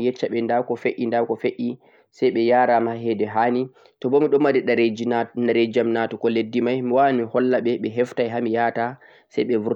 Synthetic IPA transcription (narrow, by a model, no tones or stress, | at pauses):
jɛt͡ʃːaɓɛndawkɔfeʔindawkɔfeʔi | sajɓɛjaːɾamaɦɛdɛɦani | tɔbɔmiɗɔmːaɾiɗaɾaɾed͡ʒamnatɔkɔledːimajmiwawnihɔlːaɓɛɓɛɦɛftajɦamijata | sɛjɓɛvuɾ